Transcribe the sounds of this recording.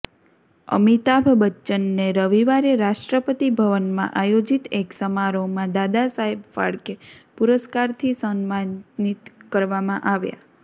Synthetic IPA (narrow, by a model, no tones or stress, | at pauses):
ə̰mit̪abʱbətːʃənːeɾəʋiʋaɾeɾaʃʈɾəpət̪ibʱəʋənmã̰ʔajod͡ʒit̪eksəmaɾomãd̪ad̪asaɦebfa̰ɭkepuɾəskaɾt̪ʰisənmanit̪kəɾʋamãʔaʋja̰